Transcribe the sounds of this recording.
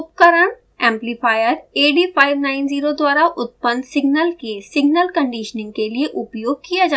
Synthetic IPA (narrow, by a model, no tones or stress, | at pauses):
ʊp̚kəɾəɳ | ɛ̃ːmplipʰaːjəɾeːɖipʰaːɪʋnaːɪnziːɾod̪waːɾaʔʊt̪̚pənd̪sɪɡnəlkesɪɡnəlkə̃ɳɖiːʃnɪ̃ŋɡ̚kelieʔʊpjoːɡ̚kijad͡ʒaː